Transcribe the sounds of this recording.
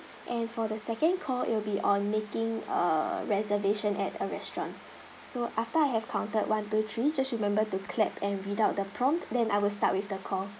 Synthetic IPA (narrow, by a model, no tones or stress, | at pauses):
ʔɛ̃nfɔdəsɛkə̃nkʰɔʔɪ̰twlbiʔɔ̃nmekɪ̃ŋə̰ɹɛzəveʃə̃nʔɛtəɹɛstɹɔ̃n | soʔaftəajɦɛv̥kʰãʊ̃ntət̚wãntut̪ʰɹid͡ʒasɹimɛ̃mbətukʰlɛpʰɛ̃nɹidaʊt̚dəpʰɹɔ̃mtdɛ̃najwɪlsta̰t̚wifdəkʰɔ